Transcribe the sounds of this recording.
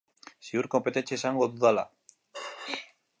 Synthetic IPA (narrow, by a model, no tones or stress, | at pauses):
siuɾko̞mpe̞t̪e̞nt͡seːsaŋɡo̞ðuðala̰